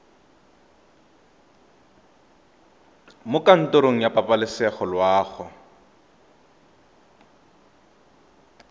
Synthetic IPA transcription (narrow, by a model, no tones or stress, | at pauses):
mʊkʼan̩tʼoɾoŋ̩japʼapʼalɪsɛχɔlwaːχɔ